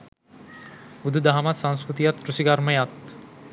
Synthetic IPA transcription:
bud̪ʱud̪aɦamat̪sãŋ̃skɾut̪ijat̪ːɾusikaɾməjat̪

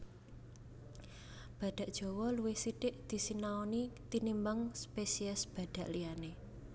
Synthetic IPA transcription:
b̥ä̤ɖ̥ä̤ʔd̥ʒ̥o̤wɔluwɪhsiɖ̥ɪʔd̪̥i̤sinaonit̪inimbaŋspesiɛsb̥a̤ɖ̪̥ä̤ʔliane

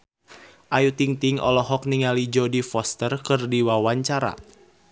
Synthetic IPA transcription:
ʔajut̪iŋt̪iŋɔ̰lɔɦɔk̚niŋalid͡ʒɔdifɔst̪ərkɨrdiwawaɲt͡ʃaɾa̰

